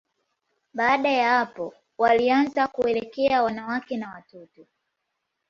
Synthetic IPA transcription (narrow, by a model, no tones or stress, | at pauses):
ɓaːɗajahapɔ | walianzakuɛlɛkɛawanawakɛnawatɔtɔ